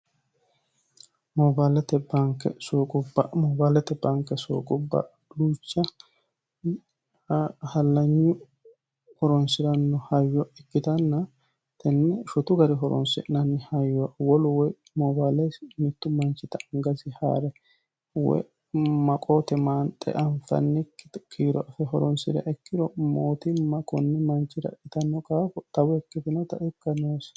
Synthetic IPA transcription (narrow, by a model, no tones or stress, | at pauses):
mɔbaːlɛt̪ɛbɐŋkːɛ̰soːkʼʊbɐmɔbaːlɛt̪ɛbɐŋkːɛso̰ːkʼʊbːɐ̰ | uːt͡ʃːɐ | hɐlːɐɲːʊ | hɔɾɔnsɪɾɐnːɔhɐjːɔɛkːɪt̪ɐnːɐ | t̪ɛnːɛʃɔt̪ʊɡɐɾɪɦɔɾɔ̰nsɛ̰ɪnɐnːɪhɐjːɔwawɔlʊwɔj | mɔbaːlɛjsmɪt̪ːʊmɐnt͡ʃːɪt̪ɐŋɡɐsɪha̰ːɾɛ | wɔ̰ | mɐkʼot̪ɛmaːnt̪ʼɛ̰ʔɐɱfɐ̰nːɪkʰiːɾɔʔɐfɛɦɔɾɔnsɪ̰d̪ɐ̰ʔɛkːɪd̪ɔmoːt̪ɪmɐkʼɔnːɪmɐnt͡ʃːɪd̪ɐ̰ʔɪt̪ɐnːɔkʼaːfɔt̪ɐwɔɛkːɪt̪ɪnɐt̪ɐ̰ʔɪkːɐnoːs